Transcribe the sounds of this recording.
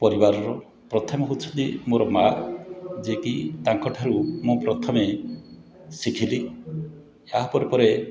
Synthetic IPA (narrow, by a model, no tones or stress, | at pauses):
pɔɾibaɾɔɾɔ | pɾɔt̪ʰɔmɔɦot͡ʃʰɔnt̪imoɾɔma | d͡ʒekit̪aŋkɔʈʰaɾumopɾɔt̪ʰɔme | sikʰili | aɦpɔɾepɔɾe